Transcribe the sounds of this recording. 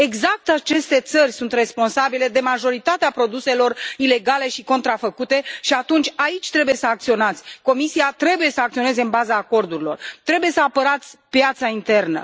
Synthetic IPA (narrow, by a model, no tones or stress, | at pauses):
e̞ɡzak̚t̪at͡ʃe̞st̪e̞t̪sərʲsunt̪re̞spo̞nsabile̞d̪e̞maʒo̞ɾit̪at̪eapɾo̞d̪use̞lo̞rile̞ɡale̞ʃiko̞nt̪ɾafəkut̪e̞ʃiat̪unt͡ʃʲait͡ʃʲt̪ɾe̞buje̞səak̚t̪sio̞nat̪sʲko̞misiat̪ɾe̞buje̞səak̚t̪io̞ne̞ze̞ɨnbazaːko̞rd̪uɾilo̞̰rt̪ɾe̞buje̞səapəɾat̪sʲpjat̪saint̪e̞rnə̰